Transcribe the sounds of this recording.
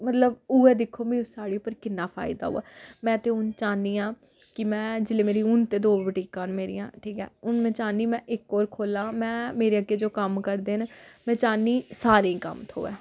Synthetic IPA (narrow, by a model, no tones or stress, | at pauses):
mət̪ləbuːɛːd̪ɪkʰːoːmĩːsaːɽeːʊpːəɾkɪnːaːpʰa̰ːɪd̪a̰ːɦṵa̰ːmɛ̃ːt̪eːʊnt͡ʃaːniːãː | kɪmɛ̃ːd͡ʒɪleːmeːɾiːʊnt̪eːd̪oːʋəʈiːkãːnmeːɾḭːã̰ːʈʰiːkɛ̰ːʊnmɛ̃ːt͡ʃaːniːmɛ̃ːʔɪkoːɾkʰoːlãːmɛ̃ːmeːɾeːəɡeːd͡ʒoːkəmkəɾd̪eːnmɛ̃ːt͡ʃaːnːiːsaːɾekə̰mt̪ʰo̰ːɛ̰ː